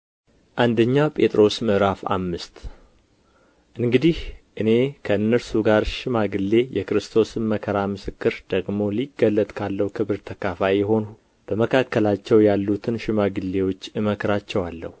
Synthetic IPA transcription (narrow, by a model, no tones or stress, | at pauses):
ʔand̪əɲːapʼe̞t̪ʼɾo̞smɨʔɾafa̰mːɨst̪ | ʔɨŋɡɨd̪ihʔɨne̞kʰəɨnːəɾsuɡaɾʃɪmaɡɨlːe̞jʔɛkɾɨst̪ʰo̞sɨnməkʰəɾamɨsɨkːɨɾd̪̥əɡmo̞liɡəlːət̪ʼkʰalːəhukʰɨβɨɾt̪ʰəkʰafajɛɦo̞nu | b̥əməkʰakːəlat͡ʃːɛwjalːut̪ʰɨnʃɪmaɡɨlːe̞wo̞t͡ʃːɨməkɾat͡ʃːɛwalːə̰hu